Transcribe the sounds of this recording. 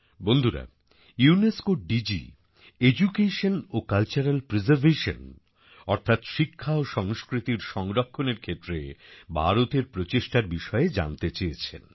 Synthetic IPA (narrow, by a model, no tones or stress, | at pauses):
bond̪ʱuɾa̰ | uuneskoɖid͡ʑḭ | ed͡ʑukeʃonokalt͡ɕaɾalpɾezaɾbʱeʃo̰n | ɔɾt̪ʰat̪ʃikʰːaoʃɔŋskɾit̪iɾʃɔŋɾokʰːoneɾkʰet̪ːɾebʱa̰ɾot̪eɾpɾot͡ɕeʃʈaɾbiʃɔeed͡ʑa̰nt̪et͡ɕejet͡ɕʰḛn